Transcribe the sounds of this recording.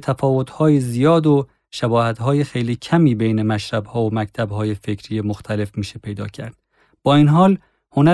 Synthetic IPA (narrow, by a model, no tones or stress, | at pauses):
t̪ʰæfɒːvo̞t̪hɒːjizijɒːd̪o | ʃæbɒːhæt̪hɒːjexejliːcʰæmiːbejne̞mæʃɾæbhɒːomæct̪ʰæbhɒːjefecʰɾiːjemoxt̪ʰæle̞fmiːʃe̞pʰe̞jd̪ɒ̰ːcʰæ̰ɾd̪̥̚ | b̥ɒːiːnɦɒːl | ho̞næ